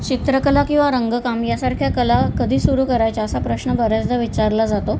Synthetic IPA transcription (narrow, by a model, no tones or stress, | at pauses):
t͡ɕit̪ɾəkəlakĩw̃ʋaɾəŋɡəkamjasaɾkʰjakəlakəd̪ʱiːsuɾuːkəɾajt͡saəsapɾəɕnəbəɾəd͡zd̪əʋit͡ɕaɾlad͡zat̪o